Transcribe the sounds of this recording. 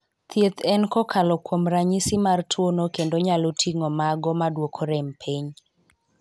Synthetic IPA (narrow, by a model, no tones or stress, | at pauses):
t̪ʰjet̪ʰɛnkɔkʰalɔkwomɾaɲisimartʰwonokendoɲalotʰiŋomaɡɔmadwokʰoɾɛmpʰiɲ